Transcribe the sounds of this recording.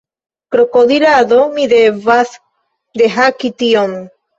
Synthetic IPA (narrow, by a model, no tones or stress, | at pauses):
kɾokoðiɾaðomiðeβaθ | d̪eɦakit̪ion